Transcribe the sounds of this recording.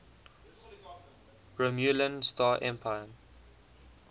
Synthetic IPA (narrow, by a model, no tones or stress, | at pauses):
ɹəmjulə̃nstaːʔɛ̰̃mpʰaɪən